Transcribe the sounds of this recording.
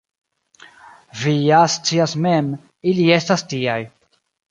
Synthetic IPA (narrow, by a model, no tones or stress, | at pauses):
viast͡siasme̞m | ilie̞stastiaj